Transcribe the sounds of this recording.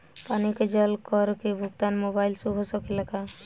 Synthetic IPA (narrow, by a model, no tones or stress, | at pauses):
paniked͡ʒəlkəɾkebʱʊɡt̪anmobajlsuɡʱosəkilaka